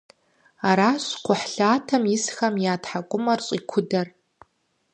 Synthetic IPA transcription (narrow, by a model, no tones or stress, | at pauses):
aɾaɕkʷʊħɬaːtʰɐmɪsxɐmjaːtʰħakʷʼʊmɐrt͡ɕʷʼikʷʰʊdɐr